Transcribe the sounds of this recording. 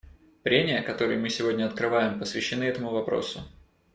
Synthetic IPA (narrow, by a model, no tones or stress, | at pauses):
pɾʲemʲɪjəkɐt̪o̞ɾɨjʊmɨsʲɪvo̞dʲnʲəɐt̪kɾɨvajɪmpəsvʲɪɕːɪnɨɛt̪əmʊvɐpɾo̰sʊ